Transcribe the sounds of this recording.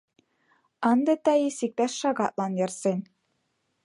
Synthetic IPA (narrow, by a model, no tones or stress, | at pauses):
ɑnd̪ɤ̆t̪æjisik̚t̪æʃʃɑɡɑt̪̚lˠɑnjɤ̆rsenʲ